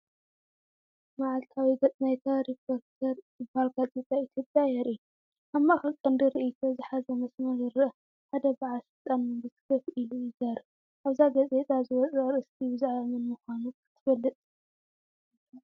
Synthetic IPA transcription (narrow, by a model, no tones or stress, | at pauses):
maʕalt̪ʰawiɡɐt͡sʼnajt̪ʰaɾipʰoɾt̪ʰɐɾ | ɨbalɡazʼet̪ʼait̪ʰjopʼjajɛɾʔiu | ʔamːaxɨlkʼɐnd̪iɾɨʔit̪ʰo̞zɨħazɐmɐsmɐɾɨɾɨʔɨ | ħad̪ɐbaʕalʃɨlt̪ʼanmɨnbɨt̪ʰɨ̥kʰɐfʔilujizɐɾ | ʔaβzaɡɐt͡sʼe̞t̪ʼazɨwɔt͡sʼɐɾɨst̪ʰibɨzaʕamɨnmɨxʷanukʰɨ̥t̪ʰːɨfɐlːɨt̪ʼ